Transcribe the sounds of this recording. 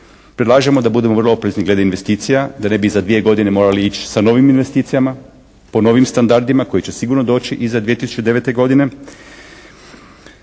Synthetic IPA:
pɾed̪lˠaːʒemo̞d̪abud̪e̞mor̩lo̞opɾezniɡle̞d̪einʋe̞st̪iːt̪sijad̪ane̞bizad̪ʋije̞ɡo̞d̪ine̞mo̞ːɾaliit͡ʃi̥sano̞ːʋiminʋe̞st̪iːt̪sijama | po̞no̞ːʋimst̪and̪aɾd̪imako̞jet͡ɕe̞siɡuɾno̞d̪o̞ːt͡ʃiʔizad̪ʋije̞t̪isu̥t͡ʃud̪e̞ʋe̞t̪e̞ɡo̞d̪ine̞

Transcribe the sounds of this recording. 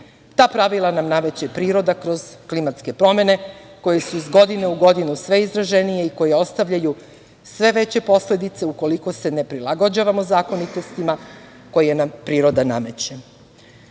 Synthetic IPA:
t̪aːpɾaʋilˠanamname̞t͡ɕepɾiːɾo̞d̪akɾo̞z̥klimat̪ske̞pɾo̞me̞ne̞ko̞jesuizɡo̞d̪ine̞uɡo̞d̪inusʋe̞izɾaʒenije̞iko̞je̞o̞st̪aʋʎaju | sʋe̞ʋe̞t͡ɕe̞po̞sle̞d̪it̪se̞uko̞liko̞se̞ne̞pɾilˠaɡod͡ʑaʋamozaːko̞nit̪o̞st̪ima | ko̞jejenampɾiːɾo̞d̪aname̞t͡ɕe

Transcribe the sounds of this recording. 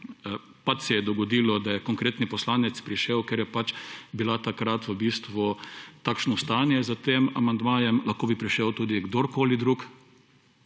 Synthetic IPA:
pat͡ʃsɛjɛd̪ɔɡɔd̪iːlɔd̪ajɛkɔŋkɾeːt̪nipɔslaːnɛt̪spɾiʃɛwkeɾjɛpat͡ʃbilat̪akɾat̪ʋəbiːst̪ʋut̪aːkʃnɔst̪anjɛzat̪emamand̪maːjɛmlaxkoːbipɾiʃɛwt̪uːd̪iɡd̪oɾkoːlid̪ɾuk

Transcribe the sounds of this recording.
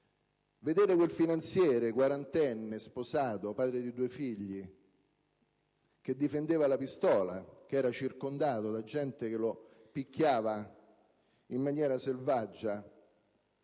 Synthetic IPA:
ved̪eːɾekwelfinant̪sjɛːɾekwaɾant̪ɛnːesposaːt̪opaːd̪ɾed̪id̪uːefiʎːi | k̟ed̪ːifend̪eːvalapist̪ɔːla̰k̟ɛːɾat͡ʃirkond̪aːt̪od̪ad͡ʒːɛnt̪ekelo | pikʲːjaːva | imːanjɛːɾaselvad͡ʒːa

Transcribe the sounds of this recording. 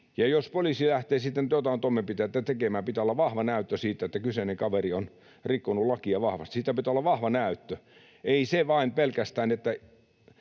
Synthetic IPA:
jɑjospoliˑsilæht̪eːsit̪ːent̪ot̪ɑˑint̪omːempit̪eet̪ːæt̪ekemæːmpit̪æolːɑʋɑhʋɑnæˑyt̪ːøsiːt̪ːæet̪ːækyseneŋkɑʋerion | rikːonullɑkiɑʋɑhʋɑ̰st̪i̥siːt̪ːˑæpit̪æolːɑʋɑhʋɑnæˑyt̪ːø | eiseʋɑinpelkæst̪æːnet̪ːæ

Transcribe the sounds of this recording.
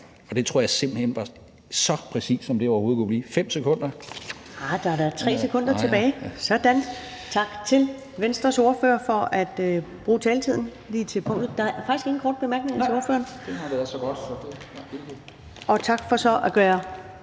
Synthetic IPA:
ɒ̽d̥e̝t͡sʰoɐjase̝m̰b̥l̩henʋɑ̈ | sɒ̽pʰʁɛsḭːsːɒ̽md̥eɒʊɐho̝ːð̩ˠkʰub̥liːfem̰sekʰɔ̽n̰d̥ɐ | ɑd̥ɑ̈ɾɑt͡sʰʁɛ̰ːsekʰɔ̽n̰d̥ɐt͡sʰe̝b̥ɛːɪsɒ̽d̥æn | t͡sʰɑ̈ɡ̥t͡sʰe̝l | ʋensd̥ʁɐso̝ɐføːɐfɒ̽ʔæd̥øb̥ʁuːt͡sʰɛːlt͡sʰið̰ˠn̩ | liːt͡sʰe̝lpʰɔ̽ŋ̰d̥ð̩ˠd̥ɑ̈æfɑ̈ɡ̥isɡ̥e̝ɡn̩kʰɒ̰ːd̥̚b̥e̝mæɐɡ̥ne̝ŋɐt͡seo̝ɐfø̰ːɐn̥sɡ̥ɔd̥ | ʔɒ̽t͡sʰɑ̈ɡ̥fɒ̽sɒ̽ʔæɡ̥ɶːɐ

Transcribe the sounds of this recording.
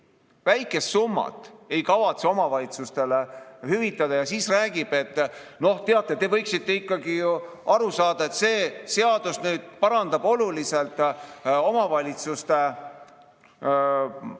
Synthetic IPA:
væjkːˑe̞st̪sumːɑ̰t̪ːˑe̞jkɑvɑt̪so̞mɑvɑlit̪sust̪e̞lehyvit̪ːˑɑd̪̥ɑjɑsiːsræːɡ̥ib̥e̞t̪ːˑno̞ht̪eɑt̪ːˑet̪e̞vɤjksit̪ːe̞ikˑːɑɡijuʔɑɾusɑːd̪̥ɑe̞t̪se̞ːse̞ɑd̪usnyːd̪̥̚pɑɾɑnd̪ɑb̥o̞lulise̞lt̪ˑo̞mɑvɑlʲit̪sust̪e̞

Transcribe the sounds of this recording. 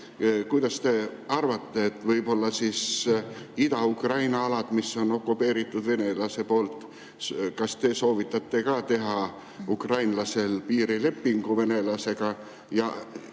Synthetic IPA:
kujd̪̥ɑst̪e̞ɑrvɑt̪ːe̞et̪ːˑvɤjbo̞lːɑsiːs | id̪̥ɑukrɑjnɑɑlɑd̪̥misːo̞no̞kːˑupːe̞ːɾit̪ːˑud̪̥ve̞ne̞lɑse̞po̞ːlt̪ˑ | kɑst̪e̞so̞ːvit̪ːˑɑt̪ːe̞kɑːt̪e̞ɦɑ | ukrɑjnlɑse̞lpiːɾile̞pːiŋɡ̥uve̞ne̞lɑse̞ɡ̥ɑ | jɑ̰

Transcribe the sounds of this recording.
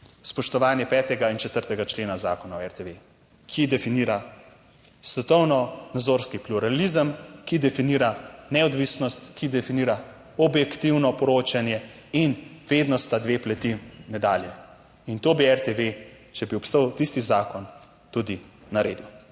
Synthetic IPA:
spɔʃt̪ɔʋaːnjɛpɛːt̪ɛɡaint͡ʃɛt̪əɾt̪ɛɡat͡ʃleːnazaːkɔnawɛɾt̪eʋe | kʰid̪ɛfiniːɾa | sʋɛt̪ɔwnɔnad̪zoːɾskipluɾalizəmkid̪ɛfiniːɾanɛɔd̪ʋisnɔst̪kid̪ɛfiniːɾa | ɔbjɛkt̪iwnɔpɔɾoːt͡ʃanjɛ | inʋeːd̪nɔst̪ad̪ʋeːplɛt̪imɛd̪aːljɛ | int̪oːbiɛɾt̪eʋe | t͡ʃɛbiɔpst̪əwt̪ist̪izaːkɔn | t̪ud̪inaɾeːd̪u

